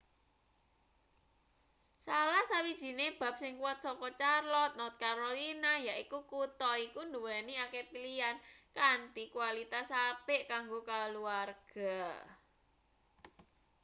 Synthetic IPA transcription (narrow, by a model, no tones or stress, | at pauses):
salahsawid̥ʒ̥i̤neb̥a̤p̚sɪŋkuwat̪̚sɔkɔt͡ʃarlɔt̪̚nɔt̪̚kaɾolinajaʔikukut̪ɔikund̪uwɛniakepiliankant̪ikuwalit̪asapeʔkaŋɡokaluarɡ̥a̤